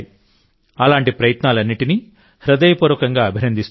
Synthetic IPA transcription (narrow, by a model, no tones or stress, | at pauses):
i | ɐlaːɳʈipɾɐjɐt̪naːlɐnːiʈini | hɾɐd̪ɐjɐpuːɾʋɐkɐŋɡaːɐbʱinɐnd̪ist̪